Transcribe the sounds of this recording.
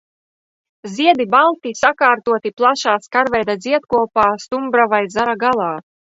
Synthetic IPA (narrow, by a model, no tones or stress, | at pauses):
zʲiɛd̪ibalˠt̪isakaːɾt̪uɔt̪iplˠaʃaːskaɾvɛjd̪ad̪zʲiɛt̪kuɔpaːst̪umbɾavajzaɾaɡalˠaː